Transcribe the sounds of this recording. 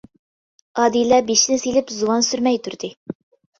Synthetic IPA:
ɑd̪ilːæbiʃnɘsilɘpzuwɑnsyɾmæjt̪ʉɾd̪ɘ

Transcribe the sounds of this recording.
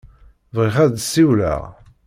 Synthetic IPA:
vʁiχæd̪siwlæ̰

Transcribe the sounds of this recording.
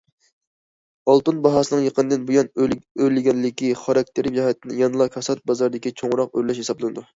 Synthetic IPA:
ɑlˠt̪unbɑɦɑsɨnɨŋjəqʰənɨd̪ɨnbujɑnølɪɡʲɛnlɪkʲiχɑɾɑk̚ʲt̪ʰeɾd͡ʒɑhɛt̪ʰːɪnɪjɑnɨlˠɑkʲʰɑsɑt̪̚bɑzɑɾd̪ɪkʲit͡ʃʰoŋɾɑqøɾlɛʃhesɑblˠɨnɨd̪u

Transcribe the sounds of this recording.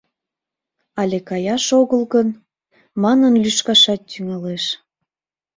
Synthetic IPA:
ɑlʲekɑjɑʃoɣəlɣən | mɑnənlyʃkɑʃɑt̪ːyŋɑleʃ

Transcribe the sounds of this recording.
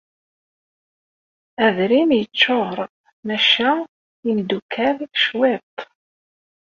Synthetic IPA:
æðɾimjət͡ʃːoɾˤ | mæʃæ | imd̪ukʰːæðʃwet̪ˤ

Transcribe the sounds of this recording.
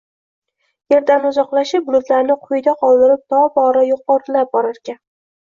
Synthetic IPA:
je̞ɾd̪anʊzɒqlˠaʃɪp̚bʊlˠʊt̪laɾnɪqʰʊjd̪aqʰɒlˠd̪ɪɾɪp̚t̪ʰɒbɒɾajoqɒɾlap̚bɒɾaɾɡʲan

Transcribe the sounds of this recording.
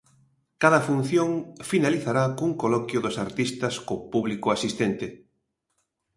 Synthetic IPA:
kaðɐfun̟θjoŋfinaliθaɾakuŋkolɔkjʊðʊsaɾt̪ist̪ɐskopuβlikʊasist̪ent̪ɪ

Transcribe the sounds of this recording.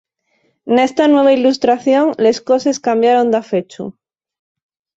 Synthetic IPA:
ne̞st̪anwe̞β̞ailust̪ɾaθjoŋle̞sko̞se̞skambjaɾo̞nd̪afet͡ʃṵ

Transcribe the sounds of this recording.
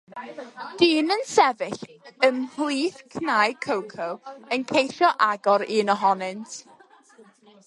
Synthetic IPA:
d̥iːnənsɛvɪɬəmhlˠiːθkʰnajkʰəwkʰəwənkʰejʃjɔʔaɡɔɾiːnɔɦɔnɪntʰ

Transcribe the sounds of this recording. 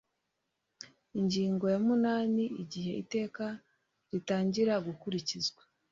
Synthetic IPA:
iɲɟiːŋɡo̞jamunaːniiɟihe̞ite̞ːka | ɾitaːɲɟiɾaɡukuɾicizɡwḁ

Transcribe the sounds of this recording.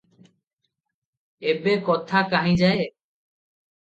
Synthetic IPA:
ebekɔt̪ʰakaɦid͡ʑae

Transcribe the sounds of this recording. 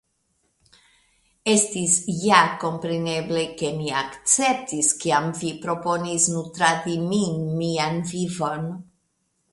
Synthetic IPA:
est̪isjako̞mpɾeneble̞ke̞miakt͡sep̚t̪iskiamvipɾo̞po̞nisnut̪ɾat̪iminmianvivo̞n

